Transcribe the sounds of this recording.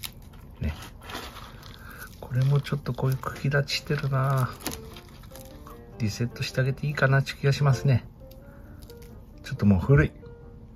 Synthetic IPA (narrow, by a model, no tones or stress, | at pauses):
nḛ | kʰo̞ɾe̞mo̞t͡ɕo̞t̪ːo̞ko̞ːjɯ̟ːkʰɯ̟̥ɡʲid̪at͡ɕi̥ɕi̥t̪e̞ɾɯ̟naː | ɾʲise̞t̪ːo̞ɕi̥t̪e̞aɡe̞t̪e̞iːkanat͡ɕɨ̥kʲiɡaɕimasɨne̞ | t͡ɕo̞t̪ːomoːɸɯ̟ɾɯ̟i